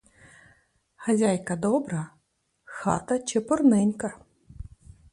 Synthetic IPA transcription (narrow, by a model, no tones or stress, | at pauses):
xɐzʲajkɐd̪ɔbɾɐ | xɑ̰t̪ɐt͡ʃɪpɔrnɪnʲkɐ